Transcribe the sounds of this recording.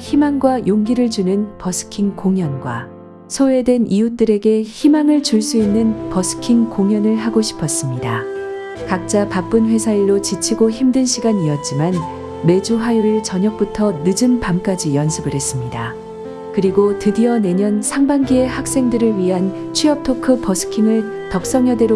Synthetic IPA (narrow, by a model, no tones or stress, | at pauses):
çimaŋɡwajʔoŋɡiɾɯɭd͡ʑunɯnpʌsʰɯ̥kʰiŋkoŋjʌnɡwa̰ | sʰoe̞dwe̞nʔijut͈ɯɾe̞ɡe̞çimaŋɯɭt͡ɕuɭs͈uinːɯnpʌsʰɯ̥kʰiŋkoŋjʌnɯɭɦaɡoɕʰi̥pʰʌs͈ɯmɲida | kak̚t͡ɕ͈apak̚p͈ɯnɸwe̞sʰaiɭːot͡ɕit͡ɕʰiɡoçimdɯnɕʰiɡaɲiʌt̚t͡ɕ͈iman | me̞d͡ʑuɸajuɾɯɭt͡ɕʌɲʌk̚p͈utʰʌnɯd͡ʑɯmpamk͈ad͡ʑijʌnsʰɯbɯɾɦe̞s͈ɯmɲida | kɯɾiɡotɯdiʌne̞ɲʌnsʰaŋbanɡiehak̚s͈e̞ŋdɯɾɯɭɥiɦan | t͡ɕʰɥiʌp̚tʰokʰɯpʌsʰɯ̥kʰiŋɯɭ | tʌk̚s͈ʌŋjʌde̞ɾo